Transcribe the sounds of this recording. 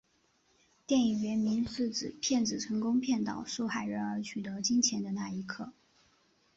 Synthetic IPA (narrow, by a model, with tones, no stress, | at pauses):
t̪jɛ˥˩ni˨˩ɥɛ˧˥nmi˧˥nʂɹ̩˥˩ʈ͡ʂɻ̩˨˩pʰjɛ˥˩nʈ͡ʂɻ̩˨˩ʈ͡ʂʰɤ˧˥ŋkʊ˥ŋpʰjɛ˥˩nt̪ɑ̰˨˩˦ʊʂu˥˩xa˥˩ɪɻə˧˥ə˞˧˥t͡ɕʰy˨˩t̪ɤ˧˥t͡ɕi˥nt͡ɕʰjɛ˧˥nd̪ə˧na˥˩i˧˥kʰɤ˥˩